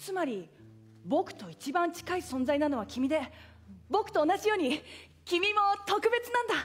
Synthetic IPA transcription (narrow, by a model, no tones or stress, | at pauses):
t͡sɨmaɾʲi | bo̞kɯ̥t̪o̞it͡ɕibãɲt͡ɕi̥kaisõ̞nd͡zainano̞β̞akʲimʲid̪e̞ | bo̞kɯ̟̥t̪o̞ːnaʑijo̞ːɲ̟i | kʲimʲimo̞t̪o̞kɯ̟be̞t͡sɨnãnd̪a